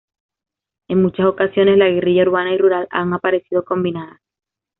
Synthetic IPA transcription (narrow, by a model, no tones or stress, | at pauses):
e̞ŋmut͡ʃaso̞kasjo̞ne̞slaɣe̞riʝauɾβanairuɾala̰ŋapaɾe̞sið̞o̞ko̞mbinaða